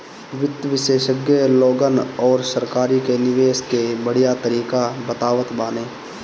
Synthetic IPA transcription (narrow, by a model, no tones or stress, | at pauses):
ʋɪt̪ːʋɪʃeːʃəɡjəlɔːɡənɔːɾsəɾkaːɾikenɪʋeːʃkebəɽ̤ijat̪əɾiːkabət̪aːʋət̪baːneː